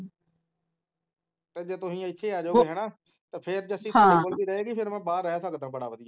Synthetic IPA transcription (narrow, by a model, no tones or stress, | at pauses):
t̪eːd͡ʒeːt̪ʊsĩːãɪtːʃʰeːaːd͡ʒoːeːɦɛːnaː | t̪eːpʰɪɾd͡ʒəsĩtːẽːkoːlb̪iːɾəeːɡipʰɪɾmɛ̃ːbaːɾːɛsəkd̪ãːbəɽaːʋəd̪ɪjaː